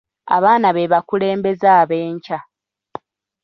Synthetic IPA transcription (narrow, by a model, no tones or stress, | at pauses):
a̰βaːnaβeβakule̞ːmbe̞zaːβe̞ːɲca